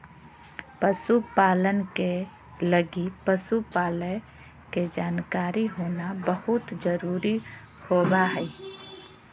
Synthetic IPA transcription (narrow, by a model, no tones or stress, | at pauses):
pəsupaːlənke | ləɡipəsupaːlə | ked͡ʒaːnkaːɾiɦoːnabəhʊt̪d͡ʒəɾuːɾi | hoːbaɦɛi